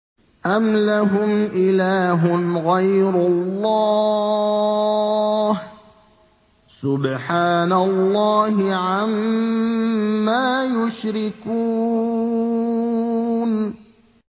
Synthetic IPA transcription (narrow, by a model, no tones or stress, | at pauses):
ʔamlaɦʊmʔɪlaːɦʊnɣajɾʊlːɑː | h | sʊbħaːnalˤːɑːhɪʕam | aːjʊʃɾɪkuː | n